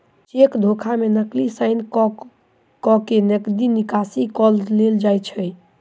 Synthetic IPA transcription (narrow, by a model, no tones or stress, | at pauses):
t͡ʃekd̪ʱokʰamenəklisaɪn | kɔkenekd̪inikasikɔlleld͡ʒajt͡ʃʰəj